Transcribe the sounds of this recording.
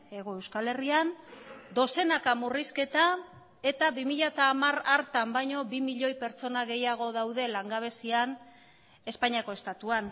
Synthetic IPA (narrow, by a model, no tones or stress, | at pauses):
e̞ɣ̞o̞e̞wskale̞riand̪o̞se̞nakamuriske̞t̪a | e̞t̪aβimiʎat̪aːmaraɾt̪ambajɲo̞bimiʎo̞jpe̞ɾt͡so̞naɣe̞jaɣ̞o̞ðawðe̞laŋɡaβ̞e̞sian | e̞spaɲiako̞e̞st̪at̪uan